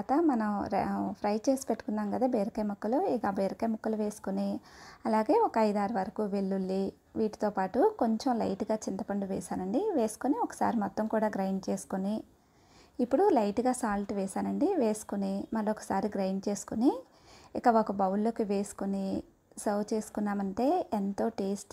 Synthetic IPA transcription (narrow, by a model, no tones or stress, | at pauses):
aːt̪ɐmɐnɐmɾpʰɾɐjt͡ʃe̞ːsi̥peʈːukunːaːmɡɐd̪aːbeːɾɐkɐjmukːɐluiɡabeːɾɐkɐjmukːɐluʋe̞ːsu̥koniɐlaːɡe̞ːɔkɐɐjd̪aːɾuʋɐɾɐkuʋe̞lːulːi | ʋiːʈi̥t̪oːpaːʈuko̞ɲt͡ʃemlɐ̰jʈuɡaːt͡ʃint̪ɐpɐɳɖuʋɛːʃaːɾɐɳɖiʋe̞ːsu̥koniɔkɐ̥sa̰ːɾimɔt̪ːɐmkuːɽaːɡɾɐjnt͡ʃe̞ːsu̥koni | ipːuɽulɐjʈuɡaːsaːlʈʋɛːʃaːɾɐɳɖiʋeːsu̥konimɐlːuɔkɐ̥saːɾiɡɾɐjnt͡ʃe̞ːsu̥koni | ikɐokɐbɐwulːo̞ːkiʋe̞ːsu̥koni | sɐwt͡ʃe̞ːsu̥kunːaːmɐɳʈe̞ːent̪o̞ːʈeːsʈ